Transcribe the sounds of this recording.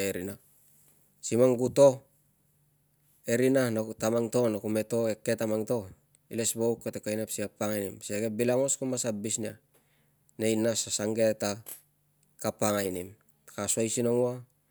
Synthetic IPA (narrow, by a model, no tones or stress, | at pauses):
eɾina | simaŋɡuto̞ | e̞ɾinanotamaŋto̞nakume̞to̞ekːetamaŋto̞ | ilesbowkːetekajnepsikapaŋajnimseɡebilaŋo̞skumasabisnia | ne̞jnasasaŋɡeta | kapaŋajnim | kasuajsinoŋua